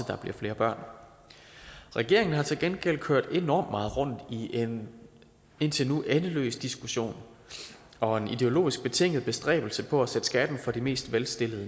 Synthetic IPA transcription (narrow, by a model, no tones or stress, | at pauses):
əd̥ɑ̈b̥liɐ̰fle̝ːɐb̥ɶɐ̰n | ʁɛɡ̥e̝ɐe̝ŋn̩ɦɑ̈t͡sʰe̝lɡ̥enɡ̥el̰kʰøɐ̰d̥e̝nɒ̰ːmd̥mɑ̈ːð̩ˠʁɔ̽n̰d̥i | e̝n̰t͡sʰe̝nuʔenəlø̰ːsd̥isɡ̥uɕo̝̰ːn | ɒ̽e̝nid̥e̝o̝lo̝̰ːisɡ̥̚b̥e̝t͡sʰe̝ŋ̰ð̩ˠb̥e̝sd̥ʁɛ̰ːb̥l̩səpʰɒ̽æsed̥sɡ̥æd̥n̩fɒ̽d̥ime̝̰ːsd̥ʋelsd̥e̝ləð̩ˠə